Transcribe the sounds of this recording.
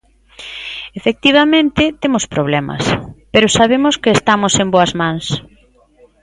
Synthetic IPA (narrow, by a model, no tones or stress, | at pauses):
efek̚t̪iβ̞amẽnt̪ɪt̪emʊspɾoβ̞lɛmɐ̰speɾʊsaβemʊskeːst̪amosemboɐzmãŋs